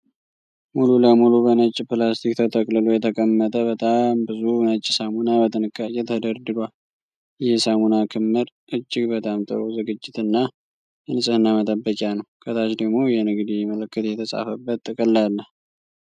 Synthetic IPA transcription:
mululəmulubənət͡ʃʼːpɨlast̪ʰikt̪ʰət̪ʰəkʼlɨlujɛt̪ʰəkʼəmːət̪ʼəbət̪ʼambɨzunət͡ʃʼːɪsamunabət̪ʰɨnɨkːajɛt̪ʰəd̪əɾd̪ɨɡʷal | jɛsamunakʰɨmːɨɾʔɨd͡ʒːɪɡbət̪ʰʼamt̪ʼɨ̰ɾo̞zɨɡɨd͡ʒːɪt̪ɨnːa | ɨnɨsʼɨhɨnːamət̪ʼəbːəkʼjanəwkʰət̪ʰat͡ʃd̪əɡmo̞jɛnɨɡd̪ijməlɨkːɨt̪jɛt̪ʰəsʼa̰fəbːət̪ʼːɨkʼɨlːalːəh

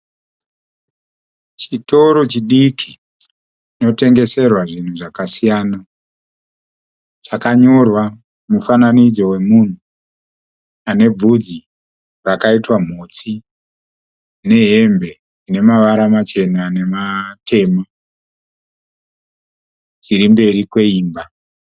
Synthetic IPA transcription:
t͡ʃito̞ɾo̞t͡ʃiɗikʰi | ino̞te̞ŋɡe̞se̞rwaʐin̤uʐakasijaːna | t͡ʃakaɲo̞rwa | mufananid͡zo̞we̞mun̤u | ane̞b͡vud͡zi | rakaitwam̤o̞t͡si | ne̞ɦe̞mbe̞ | ine̞maʋaɾamat͡ʃe̞nane̞matʰe̞ːma | t͡ʃiɾimbe̞ɾikwe̞iːmba

